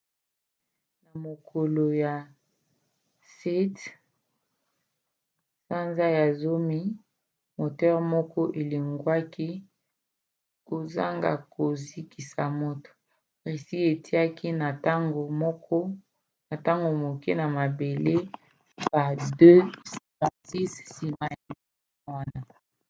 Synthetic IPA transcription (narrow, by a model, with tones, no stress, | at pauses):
na˨mo˨ko˨lo˨ja˨ | si˦t | sa˦nza˦ja˨zo˦mi˦ | mo˨tɛ˦ʁmɔ˦kɔ˦ʔe˨li˨ŋɡwa˦ki˦ | ko˨za̰˦ŋɡa̰˨ko˨zi˦ki˨sa˨mo˦to̥˨ | ʁe˨si˦e˨tʰi˦a˦ki˦na˨ta˦ŋɡo˨mɔ˦kɔ˦ | na˨ta˦ŋɡo˨mo˨ke˦na˨ma˨be˨le˦ | ba˨dø˦si˨ma˨si˦ssi˨ma˦ja˨˦˨wa˦na˨